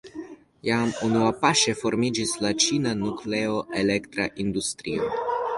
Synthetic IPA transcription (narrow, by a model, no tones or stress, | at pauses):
jamunuapaʃefoɾmid͡ʒislat͡ʃinanukleoʔelekt̪ɾa̰ʔind̪ust̪ɾio̰